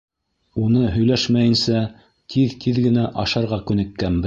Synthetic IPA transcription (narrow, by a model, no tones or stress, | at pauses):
unɤɦɵ̆jlæʃmæjɘ̆nsæ | t̪ʰiðt̪ʰiðɡɘ̆næʔɑʃɑɾʁɑkʉnɘ̆kːæmbɘ